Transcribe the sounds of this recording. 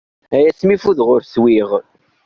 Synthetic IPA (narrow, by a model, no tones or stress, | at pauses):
æjæsmifuðʁʊɾswiʁ